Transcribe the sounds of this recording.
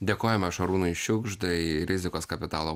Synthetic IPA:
d̪ʲeːkoːjɛmɐʃɐɾuːnʊɪʃʲʊɡʒd̪ɐɪɾʲɪzʲɪkoːskɐpʲɪt̪ɑːlˠoː

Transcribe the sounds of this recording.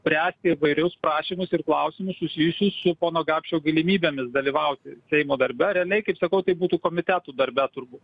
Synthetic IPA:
pʲɾʲæːsʲt̪ʲɪɪʋɐɪɾʲʊspɾɑːʃʲiːmʊsɪrklˠɐʊsʲimʊssʊsʲiːjʊsʲʊssʊpoːnoːɡɑːpʲʃt͡ʃʲoːɡɐlʲɪmʲiːbʲeːmʲɪsd̪ɐlʲiːʋɐʊt̪ʲɪsʲɛɪmoːd̪ɐɾʲbʲɛɾʲɛɐlʲɛɪkɐɪpsɐkɐʊt̪ɐɪbuːt̪uːkoːmʲɪt̪ʲæt̪uːd̪ɐɾʲbʲɛt̪ʊɾbuːt̪

